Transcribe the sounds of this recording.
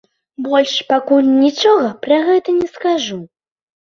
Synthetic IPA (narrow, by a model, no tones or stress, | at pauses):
bɔlʲʂpakulʲnʲit͡ʂɔɣɐpɾɐɣɛt̪ɐnʲɛskaʐu